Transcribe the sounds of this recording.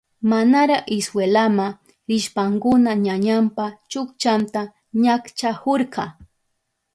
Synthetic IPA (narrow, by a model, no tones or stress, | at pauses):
manaɾaɪswelama | ɾɪʃpaŋkʊnaɲaɲampat͡ʃʊkt͡ʃant̪a | ɲakt͡ʃahoɾqʰɑ